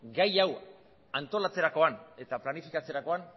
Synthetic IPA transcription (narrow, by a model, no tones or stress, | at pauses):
ɡajaw | ant̪o̞lat͡se̞ɾako̞ane̞t̪aplanifikat͡se̞ɾako̞an